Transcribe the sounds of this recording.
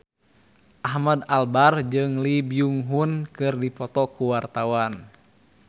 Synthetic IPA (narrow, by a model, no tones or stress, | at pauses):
ʔahmadalbard͡ʒɨŋlibiuŋɦunkɨrdipɔt̪ɔkuwart̪awan